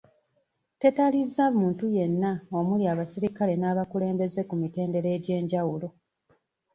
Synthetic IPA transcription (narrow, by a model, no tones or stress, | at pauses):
te̞talizːamuːntuje̞nːao̞muliaβasiɾikale̞naːβakule̞ːmbe̞ze̞kumite̞ːnde̞ɾe̞ːɟe̞ːɲɟawulo̞